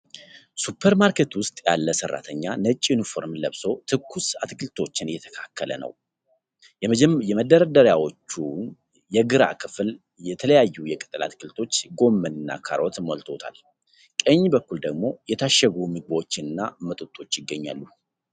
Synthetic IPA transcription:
supʰːəɾmaɾkʰet̪wʊst̪ʼja̰lːəsərːa̰t̪ʰəɲːanət͡ʃʼːjunifo̞ɾmləβso̞t̪ʰɨkːusat̪kʰɨlt̪ʰo̞t͡ʃːɪnɨjɛt̪ʰə̥kʰakʰːələ̰nə̰w | jɛməd̪ːəɾəd̪əɾjawo̞t͡ʃːu | jɛɡɨɾa̰kʰɨfl | jɛt̪ʰələjajːujɛkʼɨt̪ʼɨla̰t̪kʰɨlt̪ʰo̞t͡ʃːɡo̞mːənɨnːa̰kʰa̰ɾot̪molt̪ʰo̞t̪ʰa̰l | kʼəɲːbəkːuld̪əɡmo̞jɛt̪ʰaʃːəɡumɨɡ̚bəwot͡ʃːɪnɨnːamət̪ʼut̪ʼːo̞t͡ʃːjɪɡːəɲːa̰lːu

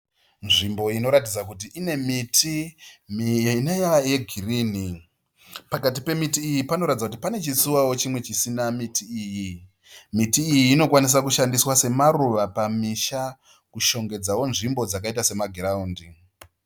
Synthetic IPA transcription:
nʐimbo̞ino̞ɾatid͡zakut̬iine̞mitʰimijanejaaje̞ɡʱirini | pakat̬ipe̞mitiːjipano̞ɾatid͡zakut̬i̥pane̞t͡ʃisuwawo̞t͡ʃimwe̞t͡ʃisinamitʰiːji | mitiːjiːno̞kwanis̬akuʃandiswase̞maɾuʋapamiʃa | kuʃo̞ŋɡe̞d͡zawo̞nʐimbo̞d͡zakaitase̞maɡʱeɾauːndi

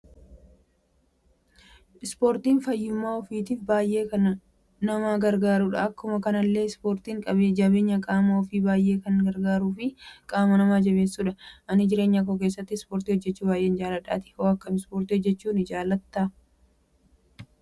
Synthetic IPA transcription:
ɪspoːɾt̪iːnfɐjːɪmːaːɔfiːt̪iːfbaːjʔe̞ːkɐn | nɐmaːɡɐɾɡaːɾʊᶑɐːkːʊmɐkɐnɐlːe̞ːspoːɾt̪iːŋkʼɐbeːd͡ʒɐbe̞ːɲːɐkʼaːmɐɔfiːbaːjʔeːkɐnɡɐɾɡaːɾuːfɪkʼaːmɐnɐmaːd͡ʒɐβe̞ːsːuːᶑɐʔɐnɪd͡ʒɪɾe̞ːɲːɐk̬oːk̬eːs̬ːɐt̪ːɪɪspoːɾt̪iːhɔd͡ʒːɛt͡ʃːuːbaːjʔeːnd͡ʒaːlɐᶑa̰ːt̪ɪ̥hoːɐkːɐmɪspoːɾt̪iɔd͡ʒːɛt͡ʃːuːnɪd͡ʒaːlːɐt̪ːaː

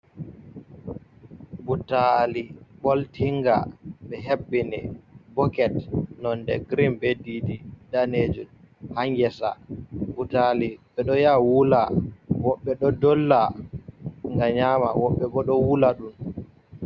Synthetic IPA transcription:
butalibɔltʰiŋɡa̰ɓɛɦebːinɛ̰bɔkɛtnɔndɛ̰ɡɾimbedididaned͡ʒun | haŋɡɛsa̰butaliɓɛɗɔjawulawɔɓːɛɗɔdɔlːa | ŋɡaɲama̰wɔɓːɛɓɔɗɔwulaɗun

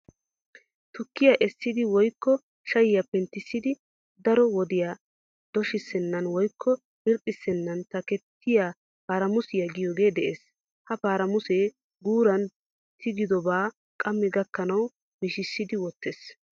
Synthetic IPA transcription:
t̪ʊkːɪjaʔɛsːɪd̪ɪwɔjkːɔ | ʃɐjɪjapɛnt̪ːɪsːɪd̪ɪ | d̪ɐɾɔwɔd̪ɪjaː | d̪̥ɔʃɪsːɛnːɐnwɔjkʰːɔ | bɪɾkʼːɪsːɛnːɐnt̪ɐkɛt̪ʰːɪjaː | paːɾɐmʊsɪjɐɡɪjoːɡe̞ːd̪ɛʔeːs | hɐpaːɾɐmʊseː | ɡuːɾɐn | t̪ʰɪɡɪd̪ɔbaː | kʼɐmːɛɡɐkːɐnɐw | mɪʃɪsːɪd̪ɪwɔt̪ːeːs

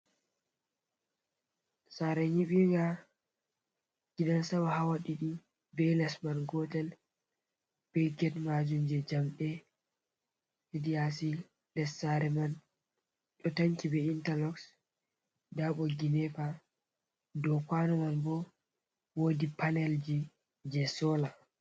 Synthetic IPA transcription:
saɾɛɲiɓiŋɡa | ɡ̥iɗansabahawaɗiɗi | bɛlasmanɡɔtɛl | b̥ɛɡɛtmad͡ʒund͡ʒɛd͡ʒamɗɛ | idiasi | ɗɛsaɾɛman | ɗɔtaŋkibɛintalɔks | daɓɔɡinɛfa | dɔkanɔmanbɔ | wodipanɛld͡ʒi | d͡ʒɛsɔla

